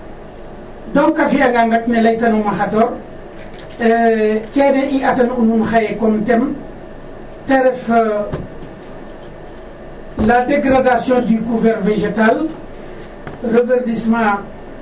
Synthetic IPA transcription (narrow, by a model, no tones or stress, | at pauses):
dɔŋkɐfiɐɡaŋɡat̚nɛlɐjtɐnumaxatɔːɾ | kɛnɛʔiʔɐtɐnunumxajɛkɔntɛm | teɾɛf | ladeɡɾadasjɔ̃ːdykuvɛɾveʒetal | rəvɛrdismã